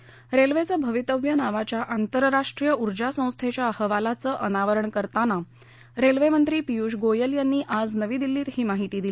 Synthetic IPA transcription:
ɾelʋet͡səbʱəʋit̪əʋjənaʋat͡ɕjaʔant̪əɾɾaʂʈɾijəuɾd͡ʑasə̃w̃st̪ʰet͡ɕjahəʋalat͡səːʔənaʋəɾəɳkəɾt̪ana | ɾelʋemənt̪ɾiːpijuːɕɡojəljanːiːʔad͡znəʋiːd̪ilːiːt̪ɦiːmaɦit̪iːd̪il

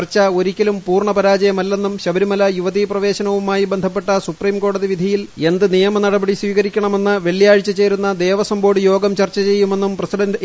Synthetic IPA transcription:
rt͡ɕːɐo̞ɾikʲːɐlumpuːrɳɐpɐɾaːd͡ʑɐjɐmɐlːe̞nːumɕɐbɐɾimɐlɐjuʋɐðiprɐʋe̞ːɕɐnɐʋumaːjibend̪ʱɐpːe̞ʈːɐsupriːmko̞ːɽɐðiʋid̪ʱɐjile̞nd̪ɨnijɐmɐnɐɽɐbɐɽiswiːɣɐɾikʲːɐɳɐme̞nːɨʋe̞ɭːjaːɻit͡ɕːɐt͡ɕe̞ːɾunːɐd̪e̞ːʋɐsɐmbo̞ːɽɨjo̞ːɡɐmt͡ɕɐrt͡ɕːɐt͡ɕe̞jːume̞nːumprɐsiɖɐn

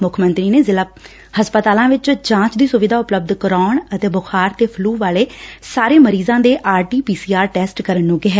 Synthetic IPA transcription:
mʊkʰmənt̪ɾiːneːzɪla | həspət̪aːlãːʋɪt͡ʃd͡ʒãːt͡ʃd̪iːsʊʋɪd̪aːʊpləbd̪kəɾaːɳət̪eːbʊxʰaːɾt̪eːpʰluːʋaːleːsaːɾeːməɾiːzãːd̪eːʔaːɾʈiːpiːsiːaːɾʈɛːsʈkəɾənːũːɡɪɦɛː

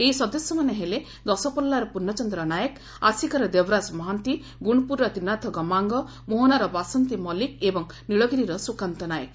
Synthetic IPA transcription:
eisɔd̪ɔsjɔmaneɦele | d̪ɔsɔpɔlːaɾɔpuɾnːɔt͡ʃɔnd̪ɾɔnajɔk | asikɔɾɔd̪ebɾasmɔɦant̪i | ɡuɽ̃ɔpuɾːɔt̪inat̪ʰɔɡɔmaŋɡɔ | moɦɔnaɾɔbasɔnt̪imɔlikebɔŋ | niɭɔɡiɾiɾɔsukant̪ɔnajə̰k

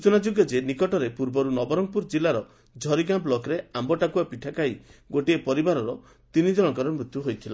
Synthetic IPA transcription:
ut͡ʃunad͡ʒoɡjɔd͡ʒenikɔʈɔɾepuɾbɔɾunɔbɔɾɔŋpuɾd͡ʒilaɾɔ | d͡ʒʱɔɾiɡamplɔkɾeambɔʈakuapiʈʰakaiɡoʈiepɔɾibaɾɔɾɔ | t̪inid͡ʒɔɽ̃ɔŋkɔɾɔmɾut̪juɦojt̪ʰila

